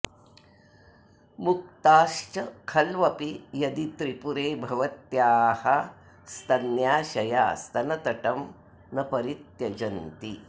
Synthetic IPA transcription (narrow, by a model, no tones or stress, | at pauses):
muk̚t̪aːʃt͡ʃɐkʰɐlʋɐpijɐd̪it̪ɾipuɾeːbʱɐʋɐt̪jaːhɐ | st̪ɐnjaːʃɐjaːst̪ɐnɐt̪ɐʈɐm | nɐpɐɾit̪jɐd͡ʒɐnt̪i